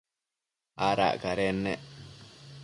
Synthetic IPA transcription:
aːɾa̰ːʔkaɾeːnːeʔ

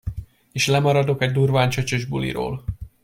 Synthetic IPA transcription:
eːʃlɛmɒɾɒd̪o̞kɛɟd̪uːrvaːnt͡ʃøt͡ʃøʒbulḭɾo̰ːl

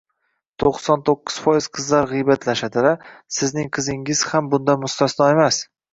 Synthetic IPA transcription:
t̪ʰoqsɒnt̪ʰoqːɨ̥z̥fɒjɪz̥qʰɨzlaɾʁɨjbat̪ʰlaʃat̪ʰɪɾasɪznɪŋqʰɨzɪŋɪz̥hambʊnd̪amʊst̪asd̪ɒemas

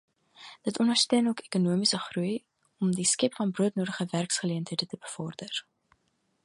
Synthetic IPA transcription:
d̥ətɔnərstøənuəkekunuəmisəχruj | ɔmdiskɛpfɐnbruətnuːɾəχəværksχəliəntɦəjdətəbəfɔrdər

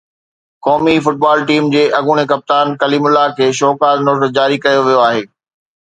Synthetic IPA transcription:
kɔːmifʊʈ̚baːlʈiːmd͡ʑeːʔɐɡuːɽ̃ekɐp̚t̪aːnkɐliːmʊlːakʰeːʃɔːkaːɾnoːɾʈd͡ʑaːɾikɐjoʋijoaːɦeː

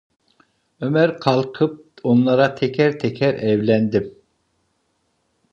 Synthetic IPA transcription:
ømæɾqʰɑlˠqʰɨp̚onlˠɑɾɑt̪ʰɛkʲʰɛɾt̪ʰɛkʲʰɛɾɛwlɛnd̪ɪm

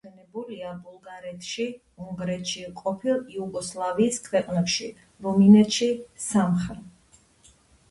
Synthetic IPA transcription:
ɛnɛbuliabulˠɡaɾɛt̪ʰʃi | uŋɡɾɛt̪ʃiqʼɔpʰilˠiuɡɔslˠaviːskʰwɛqʼnɛpʃi | ɾuminɛt̪ʃisamχɛ

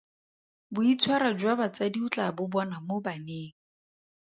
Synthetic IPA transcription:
bʊit͡sʰwaɾad͡ʒwabat͡sadiut͡ɬʼabʊbɔnamobaneːŋ̩

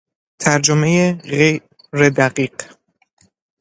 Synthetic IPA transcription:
t̪ʰæɾd͡ʒomejeɣej | ɾed̪æɢiːɢ̥

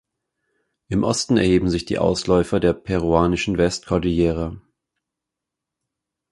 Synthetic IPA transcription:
ʔɪmʔɔstn̩ɛ̰ɐheːbm̩zɪçd̥ḭːʔa̰ʊslɔʏfɐdeːɐpʰɛʁ̞uaːnɪʃn̩vɛstkʰɔɐdijeːʁə

